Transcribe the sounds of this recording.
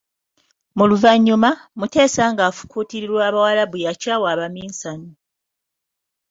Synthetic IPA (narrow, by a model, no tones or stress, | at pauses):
muluvaɲːumamute̞ːsaːŋɡaːfu̥kuːtiɾiɾwaːβawalaβujacaːwaːβamiːnsano